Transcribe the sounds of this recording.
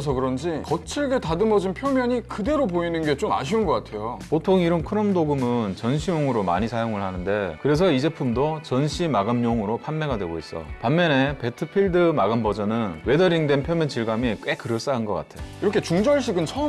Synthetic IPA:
s̬ʰʌkɯɾʌnd͡ʑikʌt͡ɕʰiɭɡe̞tadɯmʌd͡ʑinpʰjʌmjʌɲikɯde̞ɾopoinɯnɡe̞t͡ɕoma̰ɕ̬ʰiunɡʌk͈atʰe̞jopotʰoŋiɾʌnkʰɯɾʌmdoɡɯmɯnt͡ɕʌnɕʰijoŋɯɾoma̰ɲisʰajoŋɯɭhanɯnde̞kɯɾe̞s̬ʰʌid͡ʑe̞pʰumdot͡ɕʌnɕʰimaɡɯmɲoŋɯɾopʰanme̞ɡadwe̞ɡois͈ʌ̰panmjʌne̞pe̞tʰɯpʰiɭdɯmaɡɯmbʌd͡ʑʌnɯnwe̞dʌɾiŋdwe̞npʰjʌmjʌnt͡ɕiɭɡamik͈wek͈ːɯɾʌɭs͈aɯnɡʌk͈a̰tʰe̞jo̰iɾʌkʰe̞t͡ɕuŋd͡ʑʌɭɕ͈ʰiɡɯnt͡ɕʰʌ

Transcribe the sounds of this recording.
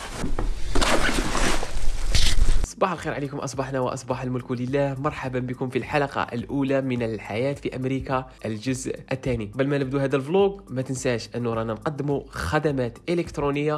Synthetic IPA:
sˤːɑbɑħəlxiːɾʕalikʊmʔɑ̰sˤbɑħnawə̰ʔɑ̰sˤbɑħalmʊlkuləlːæhmɑɾˤħababəkʊmfilħalɑqɑ̰ʔlʔuːlamənəlħajæt̪fiʔæmɾiːkaʔəld͡ʒʊzʔʔət̪ːænibælmænəb̚d̪uhæd̪ælfloɡmæt̪ənsæʃʔənːuɾˤɑnanqɑd̪ːmuxæd̪amæt̪ʔɪləkt̪ɾunəjːa

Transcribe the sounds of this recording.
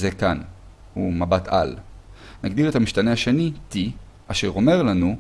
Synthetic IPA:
zekan | humabatʰa̰lnaɡd̪iʁe̞thamiʃtane̞haʃe̞niti | aʃe̞ʁo̞me̞ʁlanu

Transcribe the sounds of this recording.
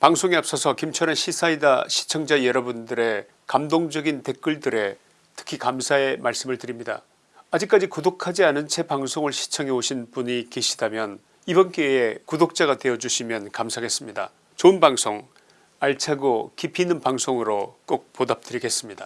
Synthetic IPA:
paŋsʰoŋiap̚s͈ʌsʰʌkimt͡ɕʰʌɾɯnɕʰisʰaida̰ɕʰi̥t͡ɕʰʌŋd͡ʑajʌɾʌbundɯɾe̞ | kamdoŋd͡ʑʌɡinte̞k͈ɯɭdɯɾe̞ | tʰɯ̥kʰikamsʰae̞mʔaɭs͈ɯmɯɭtɯɾimɲida̰ | ad͡ʑik͈ad͡ʑikodokʰad͡ʑianɯnt͡ɕʰe̞paŋsʰoŋɯɭɕʰi̥t͡ɕʰʌŋɦe̞oɕʰinpuɲikeɕʰid̥amjʌn | ibʌnk͈eekudok̚t͡ɕ͈aɣadwe̞ʌd͡ʑuɕʰimjʌnkamsʰaɡe̞s͈ɯmɲida̰ | t͡ɕoɯnbaŋsʰoŋ | aɭt͡ɕʰaɡokipʰinɯnpaŋsʰoŋɯɾok͈ok̚podap̚t͈ɯɾiɡe̞s͈ɯmɲida

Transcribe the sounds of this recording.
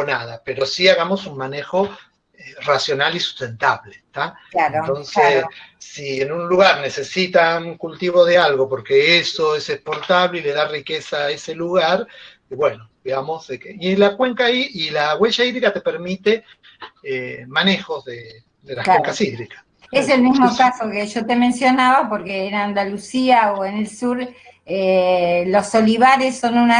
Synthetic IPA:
onaðape̞ɾo̞siaɣamo̞sunmane̞xo̞ | erasjo̞nalisu̥st̪e̞nt̪aβlet̪aaent̪o̞nsesːienunluɣaɾne̞se̞sit̪aŋkult̪iβo̞ðealɣo̞po̞ɾkeeso̞esepo̞ɾt̪aβleile̞ðarikesaese̞luɣaɾ | iβwe̞nodiɣamo̞zekeielakweŋkaiʔilaɣwe̞ʒaiðɾikat̪e̞peɾmit̪e | emane̞xo̞zðe | ðelakleŋkasiðɾikḁs | eselmizmokasokeʒo̞t̪emẽ̞nsjo̞naβapo̞ɾkeːnand̪alusiaoenelsuɾ | elo̞soliβaɾesːo̞nuna

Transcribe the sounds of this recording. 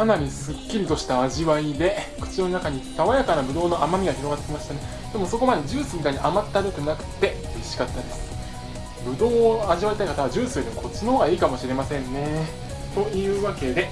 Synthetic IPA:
sanaɲ̟isɨkʲːiɾʲit̪o̞ɕi̥t̪aːʑiβaid̪e̞kɯ̟̥t͡ɕionnakaɲ̟it̪aβajakanabɯ̟d̪o̞ːnoʔamamʲiɡaçiɾo̞ɡat̪ːekʲimaɕi̥t̪ane | d̪̥e̞mo̞so̞ko̞mad̪e̞ʑɨːsɨikaɲ̟iʔamat̪ːaɾɯt̪ɯnakɯ̟̥t̪ːe̞iɕi̥kat̪ːad̪esɨ̥ | bɯ̟d̪o̞ːaʑiβait̪aikat̪aβad͡ʑɨːsɨːd̪ʲemokʰo̞t͡ɕːinooɡaiːkamo̞ɕiɾe̞masẽ̞nːe̞ | t̪o̞ɯ̟ːβake̞d̪e̞

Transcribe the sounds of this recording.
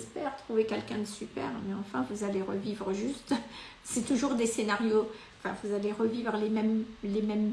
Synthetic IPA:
ɛspɛʁt̪χuvekʲɛlkʲɛ̃d̪əsypɛ̰ʁmɛɑ̃fɛ̃vuzaleʁə̰vivʁəʒyst̪ | sɛt̪uʒuʁd̪esenaʁjoɑ̃fɛ̰̃vuzaleʁəvivʁəlemɛmlemɛm

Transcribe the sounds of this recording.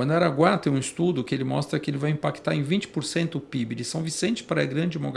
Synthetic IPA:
ɐ̃d̪aɾaɡwat̪ẽj̃ũist̪ud̪ʊkɪelɪmɔst̪ɾɐkɪelɪvajĩpakt̪aɾẽj̃vĩt͡ʃɪ̥poɾsẽnt̪ʊpibɪd͡ʒɪsɐ̃w̃visẽnt͡ʃɪ̥pɾɐɛɡɾɐ̃nd͡ʒɪmoɡ

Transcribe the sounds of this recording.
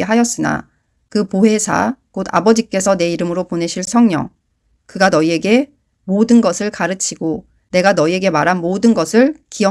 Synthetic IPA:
ɦajʌs͈ɯna̰ | kɯpoɦe̞sʰa̰koda̰bʌd͡ʑik͈e̞sʰʌne̞iɾɯmɯɾopone̞ɕʰiɭsʰʌŋɲʌ̰ŋ | kɯɡanʌie̞ɡe̞ | modɯnɡʌsʰɯɭkaɾɯt͡ɕʰiɡ̥o | ne̞ɡanʌie̞ɡe̞maɾɦanmodɯnɡʌsʰɯɭkijʌ

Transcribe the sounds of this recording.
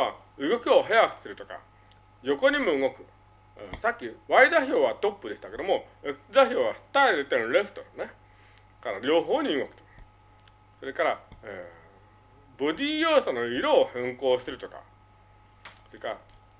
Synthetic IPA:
a | ɯ̟ɡo̞kɯ̟o̞ɦajakɯ̥sɨɾɯ̟t̪o̞ka̰ | jo̞ko̞ɲ̟imo̞ɯŋo̞kɯ̟ | sakʲːiβaid̪açʲo̞ːβat̪o̞pːɯd̪e̞ɕi̥t̪aked̪o̞mo̞d̪açʲo̞ːβaht̪aed̪et̪ːeɾe̞ɸɯ̥t̪oɾne | kaɾaɾʲo̞ːɦo̞ːɲ̟iɯŋokɯ̥t̪o̥k | so̞ɾe̞kaɾae | bo̞d̪ʲiːjoːsonoiɾo̞ːhẽŋko̞ːsɨɾɯ̟t̪o̞ka̰ | soɾekaɾa

